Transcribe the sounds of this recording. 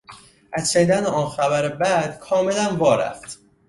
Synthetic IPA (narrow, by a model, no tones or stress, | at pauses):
ʔæzʃæniːd̪æneɒːnxæβæɾebæd̪̥kʰɒːme̞lænvɒːɾæ̰ft̪